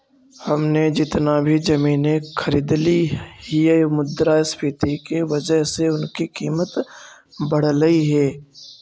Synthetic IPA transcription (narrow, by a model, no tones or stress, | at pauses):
hɐmned͡ʒɪt̪nabʱid͡ʒɐmiːnexʰəɾɪd̪liɦiəjmʊd̪ɾaːspʰɪt̪ikeʋɐd͡ʒəɦseʊnkikiːmət̪ | bɐɽ̤ləiɦɛː